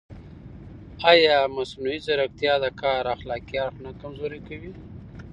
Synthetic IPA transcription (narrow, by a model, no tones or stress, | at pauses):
ɑjɑmasnuizaɾak̚t̪jɑd̪əkɑɾaxlɑkijɑɾxnakamzoɾekawi